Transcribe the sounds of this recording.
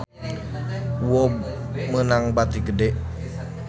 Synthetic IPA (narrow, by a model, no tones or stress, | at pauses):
wɔb | mənaŋbat̪iɡədɛʔ